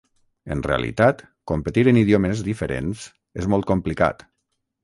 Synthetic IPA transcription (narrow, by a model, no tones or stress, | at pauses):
ənreə̰lḭt̪at̪ | kompət̪iɾəniðioməzðifəɾḛns | ezmɔlˠt̪̚komplika̰t̪